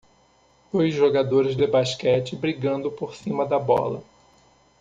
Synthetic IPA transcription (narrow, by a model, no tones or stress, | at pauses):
d̪̥ojzʒoɡad̪oɾɪzd̪ebaʃkɛt͡ʃɪbɾiɡɐ̃nd̪ʊpoɾsĩmɐd̪ɐbɔ̰lɐ̰